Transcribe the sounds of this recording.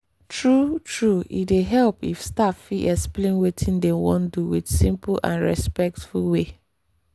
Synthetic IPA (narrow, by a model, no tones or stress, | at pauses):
tɹutʰɹuḭdeɦɛlpifstaffiʔɛksplẽnwetʰĩndɛwɔ̰̃nduwḭdsĩmplʔã̰nɹɛ̰spɛk̚tfulwe